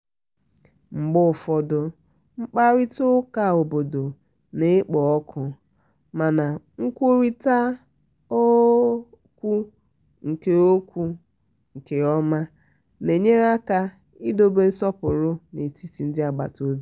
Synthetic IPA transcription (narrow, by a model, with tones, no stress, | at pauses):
ŋ͡m̩˨ɡ͡bʊ˦˨fɔ˨dʊ˨ | ŋ͡m̩˦k͡pa˦ɾi˦tʊ˦ka˨o˨bo˨do˨ | ne˨˦k͡pɔ˨ɔ˦kʰʊ˨ | ma˨na˨ | ŋ̩˦kʷo˦ɾi˦ta˦ | o˦ | kʷu˦ | ŋ̩˨ke˨o˦kʷu˦ | ŋ̩˨ke˨ɔ˦ma˦ | ne˨ɲe˦ɾa˦ka˦ | i˦do˦be˨˦n̩˦sɔ˦pʊ˨ɾʊ˦ne˨ti˦ti˨n̩˦dɪ˦a˨ɡ͡ba̰˨to˦bi˦